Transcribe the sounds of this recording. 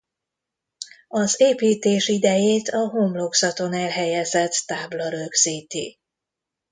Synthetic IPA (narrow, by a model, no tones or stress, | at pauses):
ɒzeːpiːt̪eːʃid̪ɛjeːt̪ʰɒɦoːmloksɒt̪o̞nɛlɦɛjɛzɛt̪ːaːblɒɾøɡz̥iːt̪ḭ